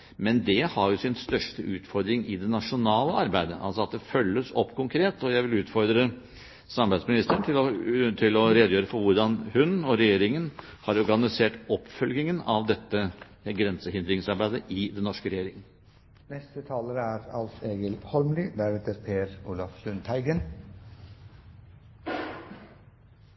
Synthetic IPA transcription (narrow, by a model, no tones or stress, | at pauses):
mɛnd̪ɛhɑɾjʊsɪnst̪œʂʈəʔʉːt̪fɔɾd̪ɾɪŋʔɪd̪ɛnɑʂʊnɑːləɑɾbæɪd̪əʔɑ̰lsɔɑt̪̚d̪ɛfœlːəsɔpːkʰʊŋkʰɾeːt̪ɔjæɪʋɪlʉːt̪fɔɾd̪ɾə | sɑmbæɪsmɪnɪst̪əɳt̪ʰɪlɔt̪ʰɪlɔɾeːd̪jøːɾəfɔɾʋʊɾɖɑnhʉnɔɾɛjeːɾɪŋən | hɑɾɔɾɡɑnɪseːʈɔpːfœlɡɪŋənɑʋd̪ɛt̪ːə | ɡɾɛnsəhɪnd̪ɾɪŋsɑɾbæɪd̪əʔɪd̪ɛnːɔʂkəɾɛjeːɾɪŋən̩ | nɛst̪ət̪ʰɑːləɾəæːɾɑlseːɡəlhɔɾmlɪd̪æɾɛt̪əɾpʰeːɾuːlɑfsʉnt̪ʰæɪɡən